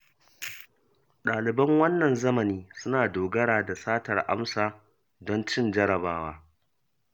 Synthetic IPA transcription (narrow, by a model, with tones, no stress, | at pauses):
ɗaː˨lɪ˨bɐ˦ŋwɐ˦nːɐ˨nzɐ˦mɐ˨niː˦sʊ˦naː˨doː˨ɡɐ˦ɽaː˨da˨saː˦tɐ˨rʔa̰˦msaː˨ | dɔ˦nt͡ʃɪ˦nd͡ʒɐ˦ɾɐ˨baː˦waː˦